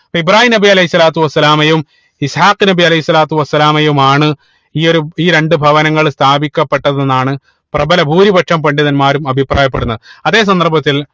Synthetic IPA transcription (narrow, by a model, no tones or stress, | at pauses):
pɐibraːhinɐbiɐlɐjisːɐlaːt̪ːuʋɐsːɐlaːmɐjum | isħaːqɨnɐbiɐlɐhisːɐlaːt̪ːuʋɐsːɐlaːmɐjumaːɳɨ | iːo̞ɾuiːɾe̞ɳɖɨbʱɐʋɐnɐŋːɐɭst̪ʰaːbikʲːɐpːe̞ʈːɐðenːaːɳɨ | prɐbɐlɐbʱuːɾibɐʈʂʰɐmpɐɳɖiðɐnmaːɾumɐbʱipraːjɐpːeɽunːɐðɨɐðe̞ːs̬ɐnd̪ɐrbʱɐt̪ːil